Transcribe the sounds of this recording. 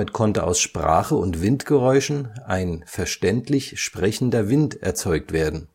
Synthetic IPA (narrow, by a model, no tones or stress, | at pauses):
ɪtkʰɔntəʔa̰ʊsʃpʁ̥a̰ːχəʊntv̥ɪntɡ̥əʁɔʏʃn̩ʔaɪnfɛɐʃtɛntlɪçʃpʁ̥ɛçn̩dɐvɪntʔɛ̰ɐt͡sɔʏk̚tv̥eːɐdn̩